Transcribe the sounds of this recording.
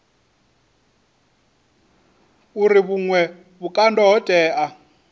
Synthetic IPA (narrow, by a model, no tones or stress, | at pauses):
uɾiβuŋwɛ | βukʼandɔɦɔd̥ʱʼɛːʔa